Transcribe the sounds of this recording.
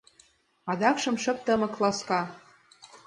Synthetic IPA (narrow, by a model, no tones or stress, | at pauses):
ɑd̪ɑkʃɤ̆mʃɤ̆p̚t̪ə̆mɤ̆klɑskɑ